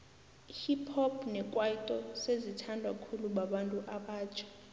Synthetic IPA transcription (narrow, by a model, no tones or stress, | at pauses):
hipʰɔbnɛkʼwaitʼɔsezitʰandʱwakʰuluɓaɓantʼuʔaɓaːt͡ʃʰḁ